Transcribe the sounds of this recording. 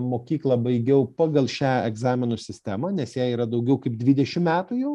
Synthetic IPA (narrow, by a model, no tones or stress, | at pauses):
moːkʲiːklˠɐbɐɪɡʲɛʊpɑːɡɐlˠʃʲæːɛɡzɑːmʲɪnʊsʲɪsʲt̪ʲæmɐnʲɛsjæːiːɾɐd̪ɐʊɡʲɛʊkɐɪp̚d̪ʲʋʲiːd̪ʲɛʃʲɪmmʲæːt̪ʊjɛʊ